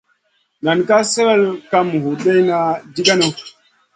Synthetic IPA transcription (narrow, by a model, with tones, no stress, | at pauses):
na˨n˨ka˦sɛ˦ɾɛ˦lka˦mu˨hu˨ɗe˦jna˦di˦ɡa˦no˦